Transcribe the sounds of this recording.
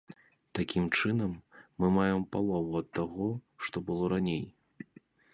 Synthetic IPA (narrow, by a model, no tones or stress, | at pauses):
t̪akʲimt͡ʂɨnɐmːɨmajɛmpalˠɔvuɐt̪ːaɣɔʂt̪ɔbɨlˠɔɾanʲej